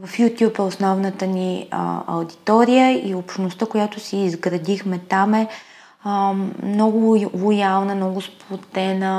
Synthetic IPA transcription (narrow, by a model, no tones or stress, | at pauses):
vɐfjut̪ʲjupɛʊsnɔvnət̪ənḭɐ̰wd̪it̪ɔɾijəiopʃnost̪əkojat̪ʊsiːzɡɾɐd̪ixmɛt̪amɛ | nɔɡʊvojalˠnəmnɔɡʊsplˠot̪ɛnə